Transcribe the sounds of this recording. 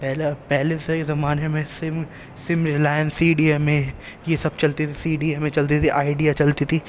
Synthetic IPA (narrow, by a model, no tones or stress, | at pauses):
pɛːlapɛɦlesezɐmaːnemẽsɪm | sɪmɾɪlaːjənsiːɖiemẽ | jesɐb̚t͡ʃɐlt̪it̪ʰisiːɖiemẽt͡ʃɐlt̪it̪ʰiʔaːɪɖijat͡ʃɐlt̪it̪ʰiː